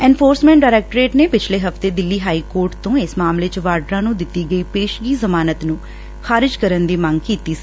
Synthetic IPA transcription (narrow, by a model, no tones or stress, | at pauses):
ɛ̃ːnpʰoːɾsmɛ̃ːɳʈɖaːɾɛːk̚ʈɾeːʈneːpɪt͡ʃʰleːɦəft̪eːd̪ɪlːiːɦaːiːkoːɾʈt̪õːɪsmaːmleːt͡ʃəʋaːɾɖɾãːnũːd̪ɪt̪ːiːɡəiːpeːʃɡiːzəmaːnət̪nũː | xaːɾɪd͡ʒkəɾənd̪iːməŋɡkiːt̪iːs